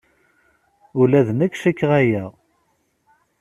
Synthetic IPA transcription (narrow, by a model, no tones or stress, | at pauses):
ʊlæðnækʃækːʁæjæ